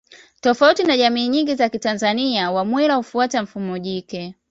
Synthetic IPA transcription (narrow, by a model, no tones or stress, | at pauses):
tɔfautinaʄamiːɲiŋɡizakitanzaniawamwilaufuatam̩fumɔʄikɛ